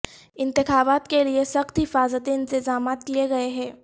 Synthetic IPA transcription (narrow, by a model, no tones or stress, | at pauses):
ɪ̃nt̪ɪxaːbaːt̪keliesɐxt̪ɦɪfaːzət̪ẽɪ̃nt̪ɪzaːmaːt̪kieɡɐeɦɛ̃ː